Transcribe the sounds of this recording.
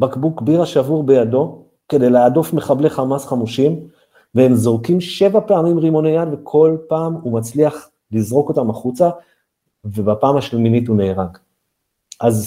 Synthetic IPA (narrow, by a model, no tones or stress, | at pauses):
bakbukbiʁaʃavuʁbe̞jado̞ | ke̞de̞jleadofme̞χableχamasχamuʃim | vehemzoʁkimʃe̞vapeamimʁimo̞nejanve̞kʰo̞lpaːmumat͡sliaχ | lizʁo̞ko̞tamaχut͡sa | ve̞bapaːmaʃleminithuneːʁaɡ | ʔaz